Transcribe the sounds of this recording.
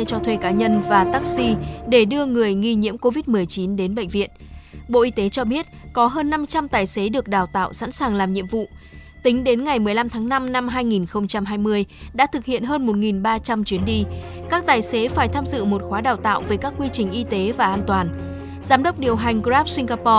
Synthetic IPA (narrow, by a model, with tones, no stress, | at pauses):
t͡ɕɔ˧t̪ʰwe˧kaː˨˦ɲə˧nvaː˨˩t̪aː˦˥k̚si˧ɗe˧˩ɗɨ˧əŋɨ˨˩əjŋi˧ɲḭ˧˥əmko˧vi˦˥t̚mɨ˨˩əjt͡ɕi˨˦nɗe˨˦nɓə̰˧˨ŋ̟vḭ˧˨ənɓo̰˧˨ʔi˧t̪e˨˦t͡ɕɔ˧ɓi˦˥ət̚kɔ˨˦ɦəː˧nːa˧mt͡ɕa˧mt̪aː˨˩jse˨˦ɗɨ˨˩ək̚ɗaː˨˩wt̪a̰ː˧˨wsa̰˧˥nsaː˨˩ŋlaː˨˩mɲḭ˧˨əmvṵ˧˨ | t̪ï˨˦ŋ̟ɗe˨˦nŋa˨˩jmɨ˨˩əjla˧mt̪ʰaː˨˦ŋna˧mna˧mɦaː˧jŋi˨˩nxə˧wŋ͡mt͡ɕa˧mɦaː˧jmɨ˧əjɗa̰ː˧˥t̪ʰɨ˨˩k̚hḭ˧˨ənɦəː˧nmo˨˩t̚ŋi˨˩nɓaː˧t͡ɕa˧mt͡ɕwi˨˦ənɗi˧kaː˦˥k̚t̪aː˨˩jse˨˦faː˧˩jt̪ʰaː˧mzɨ̰˧˨mo˨˩t̚xwaː˨˦ɗaː˨˩wt̪a̰ː˧˨wvəː˨˦jkaː˦˥kːwi˧t͡ɕï˨˩ŋ̟ʔi˧t̪e˨˦vaː˨˩ʔaː˧nt̪waː˨˩n | zaː˨˦mɗə˦˥wk͡p̚ɗi˨˩əwɦa˨˩jŋ̟ɣzaː˦˥p̚sï˧ŋ̟ɣaː˧pɔ˧